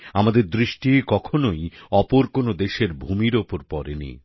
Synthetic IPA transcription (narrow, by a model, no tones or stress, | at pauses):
amad̪eɾd̪ɾiʃʈikɔkʰonojɔpoɾkonod̪eʃeɾbʱumiɾopoɾpɔɾḛnḭ